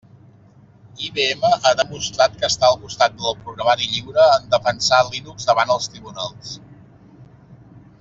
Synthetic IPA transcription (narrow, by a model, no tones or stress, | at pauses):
iβeeməʔaðəmust̪ɾat̪kəːst̪aəlˠkust̪at̪̚d̪əlˠpɾuɣɾəmaɾiʎiwɾəːnd̪əfənsalinukzdəβanəlˠst̪ɾiβ̞unalˠs